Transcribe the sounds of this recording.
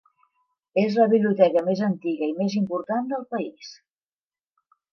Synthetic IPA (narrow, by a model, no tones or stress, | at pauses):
ezləβiβliut̪ɛkəmezənt̪iɣəimezimpuɾt̪and̪əlˠpəis